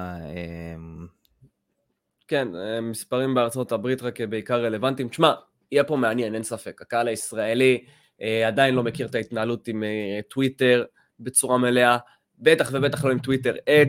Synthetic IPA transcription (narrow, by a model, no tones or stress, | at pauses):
em | kenemispaʁimbeaʁt͡so̞tabʁitʁakjebeikaʁːe̞le̞vantimt͡ʃma | ijepo̞meanjenensafe̞kakaalaisʁae̞li | ead̪ainlo̞me̞kiʁt̪aitnaalutimetwite̞ʁ | bet͡suʁamelea | be̞taχve̞be̞taχlo̞imtwite̞ʁe